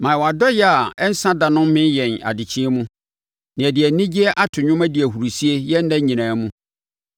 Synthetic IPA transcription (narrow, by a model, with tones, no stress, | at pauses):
mã˨wa˨dɔ˦jɛ˦a˨ɛ˦n̩˦sã˦dã˨nʊ̃˦m˦mɪ̃˦jɛ˨na̰˨dɪ˨t͡ɕʰĩ˦ɛ˦mũ˦ | nɪ̃˨æ˨dɪ˨æ˨nĩ˦d͡ʑi˦ɛ˦ʔa˦tʰʊ˨ɲʊ̃˦mæ˦di˨æ˨hu˨ɾu˨si˦e˦jɛ˦n̩˦dã˦ɲĩ˨nãː˨mũ˦